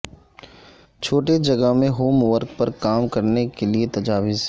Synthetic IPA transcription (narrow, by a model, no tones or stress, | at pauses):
t͡ʃʰoːʈed͡ʒɐɡəɦmẽɦoːmʋəɾkpɐɾkaːmkɐɾnekeliet̪ɐd͡ʒaːʋɪz